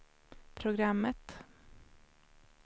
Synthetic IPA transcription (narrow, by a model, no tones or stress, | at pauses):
pʰɾʊɡɾamːət̪